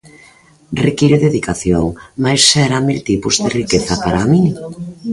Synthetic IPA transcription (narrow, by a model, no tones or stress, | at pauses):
rekiɾʊðeðikaθjoŋmajsːɛɾamilt̪ipuzðerikeθɐpaɾaːmiŋ